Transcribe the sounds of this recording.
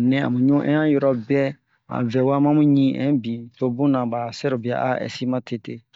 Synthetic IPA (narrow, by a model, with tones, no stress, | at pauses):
nɛ̃˦ã̰˨mũ˨ɲũ˦ʔɛ̰̃˦ã˦jɔ˦ɾɔ˦bɛ˦ | ã̰˨vɛ˨wa˦mã˦mũ˦ɲĩ˦ʔɛ̰̃˦bĩ˨to˦bũ˦nã˨ba˨sɛ˦ɾo˨bi˨a̰˨ʔa̰˦ɛ̰˨si˦mã˦tʰe˨te˦